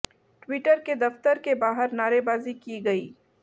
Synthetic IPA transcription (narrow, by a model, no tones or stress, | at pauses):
ʈwiːʈəɾked̪ɐft̪əɾkebaːɦəɾnaːɾebaːzikiɡɐḭː